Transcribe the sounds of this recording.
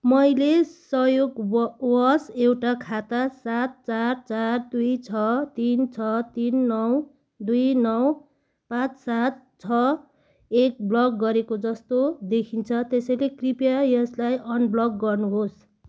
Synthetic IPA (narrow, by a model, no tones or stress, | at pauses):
mʌjlesʌjoɡwʌsewʈakʰat̪asat̪̚t͡sart͡sard̪ujt͡sʰʌt̪int͡sʰʌt̪inːʌw | d̪ujnʌw | pãt͡ssat̪̚t͡sʰʌ | ek̚blʌk̚ɡʌɾekod͡zʌst̪od̪ekʰint͡sʰʌt̪esʌjlekripjajʌslajʔʌnblʌk̚ɡʌrnuɦos